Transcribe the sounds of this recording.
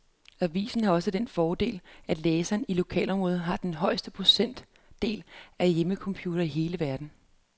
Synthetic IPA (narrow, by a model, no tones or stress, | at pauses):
æʋḭːsn̩hɑ̈ɒ̽səd̥enfɒːd̥e̝̰ːlæd̥leːsænilo̝kʰɛ̰ːlɒ̽mʁɔ̽ːð̩ˠɦɑ̈d̥enɦɒ̽ɪ̰sd̥əpʰo̝sen̰d̥ | e̝̰ːlæjeməkʰɒ̽mpʰjuːd̥ɐiɦe̝ːləʋæɐd̥n̩